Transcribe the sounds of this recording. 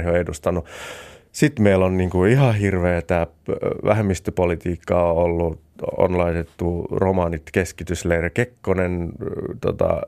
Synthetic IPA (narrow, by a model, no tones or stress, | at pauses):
hioedust̪ɑnu | sit̪meilonniːŋkuihɑhirʋeːt̪æ | ʋʔæ̰hemːist̪ypolit̪iːkːɑoolːuo̰nlɑit̪et̪ːuromɑnit̪keskit̪yslerɑkekːonent̪o̰t̪ɑ̰